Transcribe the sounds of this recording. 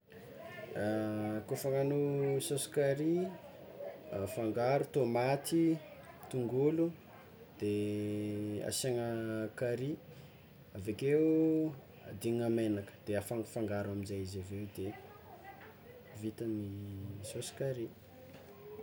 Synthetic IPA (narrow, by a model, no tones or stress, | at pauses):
kofaŋanusosi̥kaɾi | afaŋɡaɾut̪omat̪i | t̪uŋɡulu | d̪̥e | a̰saŋəkaɾi | avekeu | ad̪iŋamenakə̥d̪̥eafaŋfaŋɡaɾaminzajizavewd̪e | vit̪ənisosi̥kaɾi